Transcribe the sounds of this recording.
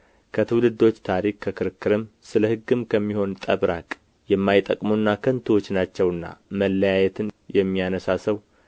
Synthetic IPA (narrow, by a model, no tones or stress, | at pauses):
kʰət̪ʰɨwlɨd̪o̞t͡ʃːt̪ʰaɾikkʰːəkɨɾɨkʰːɨɾɨmsɨləhɨɡːɨmkʰəmːiho̞nt̪ʼə̰βɾakʼ | jɛmːajt̪ʼːəkʼmunːakʰənt̪ʰɨwo̞t͡ʃːnat͡ʃːɛwɨnːa̰məlːəjajɛt̪ʰɨnjɛmːijanəsasəw